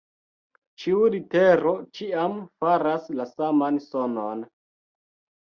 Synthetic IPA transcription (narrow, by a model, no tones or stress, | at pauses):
t͡ʃiuɾite̞ɾo̞t͡ʃiamfaɾaslasamansonon